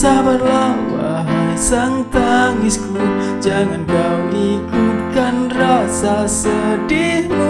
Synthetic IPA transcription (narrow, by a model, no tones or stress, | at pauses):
sabarlabaɦasaŋt̪aŋiskul | d͡ʒaŋanbaudikut̪̚kanrasasədi